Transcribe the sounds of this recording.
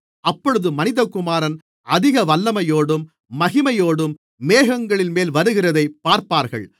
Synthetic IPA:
ɐpːɔɻɯðɯmɐnɪðɐkːʊmaːɾɐn | ʔɐðɪɣɐʋɐlːɐmɐjoːɽɯmː | ɐɣɪmɐjoːɽɯmː | eːɣɐŋɡɐɭɪnmeːlʋɐɾɯɣɪrɐðɐɪpːaːɾpaːɾɣɐ̰ɭ

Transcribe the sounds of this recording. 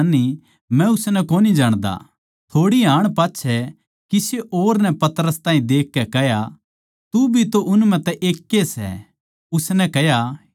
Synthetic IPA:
nːi | mɛ̃ʊsnɛkoːnid͡ʒaːɽ̃d̪a̰ | t̪ʰoːɽiɦaːɽ̃paːtːʃʰɛ | kiseʔoːɾnɛ̃pɐt̪əɾəst̪aːɦĩd̪eːkːɛkɛɦja | t̪ubʱit̪oʔʊnmɛ̃t̪ɛʔeːkːesɛ̰ | ʊsnɛkɛɦja

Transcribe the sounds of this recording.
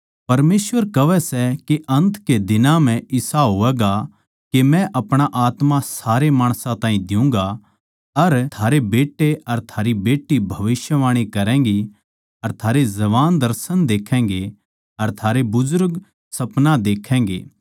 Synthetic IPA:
pɐɾmeːsʋəɾkɐʋɛsɛkeʔɐ̃nt̪ked̪ɪnãm̤ɛ̃ɪsaɦoʋɛːɡa | kemɛ̃ʔɐpɽ̃aʔaːt̪mãsaːɾemaːɽ̃sãt̪ãːĩd̪ɪũːŋɡa | ɐɾt̪ʰaːɾebeːʈːeɐɾt̪ʰaːɾibeːʈːibʱɐʋɪsjəʋaːɽ̃ikɐɾɛ̃ːŋɡi | ɐɾt̪ʰaːɾezɐʋaːnd̪ɐɾsənd̪eːkʰɛ̃ːŋ̆ɡe | ɐɾt̪ʰaːɾebʊzʊɾɡ | sɐpnad̪eːkʰɛ̃ːŋɡḛː

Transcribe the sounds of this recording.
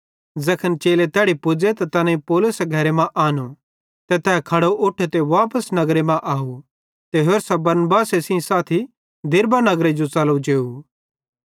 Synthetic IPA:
zɐkʰənt͡ʃeːlet̪ɛːɽipʊd͡zet̪at̪ɐnẽipoːlʊseɡʱɐɾemãʔaːno | t̪et̪ɛːkʰɐɽoʔʊʈʰet̪eʋaːpəsnɐɡɾemãʔaːɦu | t̪eɦoːɾsabɐɾnbaːsesĩĩsaːt̪ʰi | d̪ʱɪɾbanɐɡɾed͡ʒot͡sɐlud͡ʒeːu

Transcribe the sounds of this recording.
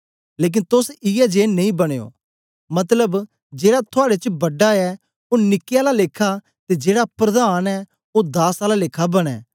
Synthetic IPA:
leːk̬ɪnt̪ʊsɪɛd͡ʒeːnːɐ̃ĩːbəɽ̃eːo̰ː | mɐt̪ləb | d͡ʒeːɽat̪ʰʊaːɽet͡ʃbəɖaɛː | oːnɪkːɪjaːlaleːkʰa | t̪ed͡ʒeːɽapɾəd̪aːnɛː | od̪aːsaːlaleːkʰabəɽ̃ɛ̰ː

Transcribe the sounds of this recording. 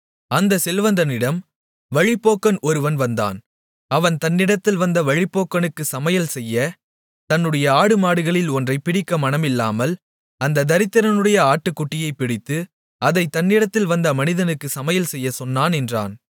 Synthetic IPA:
ɐnd̪ɐsɛlʋɐnd̪ɐnɪɽɐm | ʋɐɻɪpːoːkːɐnɔɾɯʋɐnʋɐnd̪a̰ːn | ɐʋɐnt̪ɐnːɪɽɐt̪ːɪlʋɐnd̪ɐʋɐɻɪpːoːkːɐnɯkːɯsɐmɐjɐlsɛjːɐ | t̪ɐnːɯɽɐjɐaːɽɯmaːɽɯɣɐɭɪlɔndrɐɪpɪɽɪkːɐmɐnɐmɪlːaːmɐl | ɐnd̪ɐd̪ɐɾɪt̪ːɐɾɐnɯɽɐjɐaːʈːɯkːʊʈːɪjɐɪpːɪɽɪt̪ːɯ | ɐðɐɪt̪ːɐnːɪɽɐt̪ːɪlʋɐnd̪ɐmɐnɪðɐnɯkːɯsɐmɐjɐlsɛjːɐsɔnːaːnɛndra̰ːn

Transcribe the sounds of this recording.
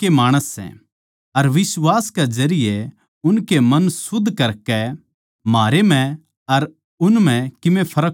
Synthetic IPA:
kemaːɽ̃əsːɛ̰̃ | ɐɾʋɪswaːsked͡ʒɐɾɪje | ʊnkemɐnsʊd̪ʱːkɐɾkɛ | maːɾem̤ɛ̃ | ɐɾ | ʊnm̤ɛ̃kɪʋẽpʰɐɾək

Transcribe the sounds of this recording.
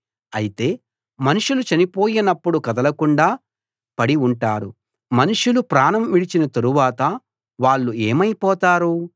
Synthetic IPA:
ɐjit̪e̞ː | mɐnuʂulut͡ʃɐnipo̞ːjinɐpːuɽukɐd̪ɐlɐkuɳɖaː | pɐɽiuɳʈaːɾu | mɐnuʂulupɾaːnɐmʋiɽit͡ʃinɐt̪ɐɾuʋaːt̪ɐ | ʋaːɭːueːmɐjipɔːt̪aːɾu

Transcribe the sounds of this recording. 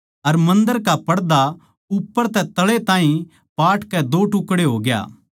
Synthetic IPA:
ɐɾmɐ̃nd̪əɾkapɐɽd̪a | ʊpːəɾt̪ɛt̪ɐɭet̪ãːɦĩ | paːʈkɛd̪oʈʊkːɽeɦoːɡja̰ː

